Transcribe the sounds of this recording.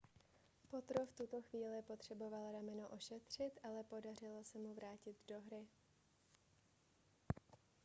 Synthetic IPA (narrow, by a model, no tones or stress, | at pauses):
po̞t̪ɾo̞ft̪ut̪o̞xviːlɪpo̞t̪r̝̥ɛbo̞valɾamɛnoʔo̞ʃɛt̪r̝̥ɪt̪ʔalɛpo̞dar̝ɪlosɛmuvɾaːcɪd̪do̞ɦɾɪ